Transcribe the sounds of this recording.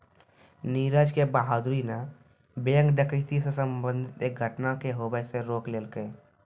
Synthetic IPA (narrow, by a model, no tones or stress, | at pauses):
niːɾəd͡ʒkebaːɦad̪ɾina | bejə̃ŋɡɖəkəɪt̪isesə̃mbə̃nd̪ʱɪt̪eːk̚ɡʱəʈnakeɦoːbəseɾoːkleːlkəe